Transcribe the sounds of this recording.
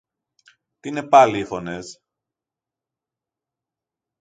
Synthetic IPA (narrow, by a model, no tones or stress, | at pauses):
t̪ine̞pɐliːfo̞nes